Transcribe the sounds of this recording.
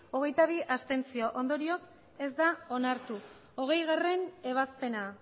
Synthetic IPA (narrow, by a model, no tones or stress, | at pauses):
o̞ɣ̞e̞jt̪aβ̞iʔast̪e̞nt͡sioʔo̞nd̪o̞ɾio̞s | e̞zd̪ao̞naɾt̪u | o̞ɣ̞e̞jɣare̞ne̞β̞aspe̞na